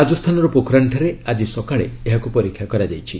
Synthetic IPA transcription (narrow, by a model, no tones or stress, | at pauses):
ad͡ʒɔst̪ʰanɔɾɔpokʰɾaɳʈʰɔɾead͡ʒisɔkaɭḛeɦakupɔɾikʰːjakɔɾad͡ʒajt͡ʃʰi